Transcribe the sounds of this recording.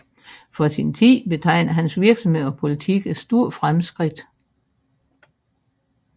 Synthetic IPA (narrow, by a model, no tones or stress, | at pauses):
fɒ̽sint͡sʰḭːb̥e̝t͡sʰɑ̈ɪ̰nɐɦænsʋiɐɡ̥sɒ̽mhe̝ð̰ˠɒpʰo̝lit͡sʰiɡ̥ed̥sd̥o̝ɐ̰fʁamsɡ̥ʁid̥